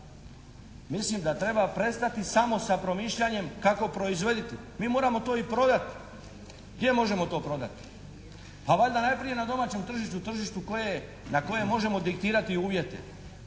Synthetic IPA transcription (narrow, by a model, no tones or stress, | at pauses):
mislimd̪at̪ɾe̞bapɾe̞st̪at̪isamo̞sapɾo̞miːʃʎaɲe̞mkako̞pɾo̞izʋe̞d̪it̪i | miːmo̞ːɾamo̞t̪o̞ːipɾo̞d̪at̪ | ɡd̪je̞mo̞ʒe̞mo̞t̪o̞ːpɾo̞d̪a̰t̪i̥ | paʋaʎd̪anajpɾije̞nad̪o̞maːt͡ɕe̞mt̪r̩ʒiʃt̪ut̪r̩ʒiʃt̪ukoje | nako̞jemo̞ʒe̞mo̞d̪ikt̪iːɾat̪iuːʋje̞t̪e̞̰